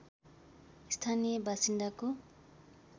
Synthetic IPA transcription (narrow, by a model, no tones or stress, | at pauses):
ist̪ʰanijʌbʱasind̪ako